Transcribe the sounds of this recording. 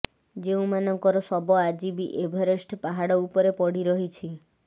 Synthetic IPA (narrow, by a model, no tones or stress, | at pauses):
d͡ʒeũmanɔŋkɔɾɔsɔbɔad͡ʒibiʔebʱɔɾesʈʰpaɦaɽɔupɔɾepɔɽiɾɔɦit͡ʃʰi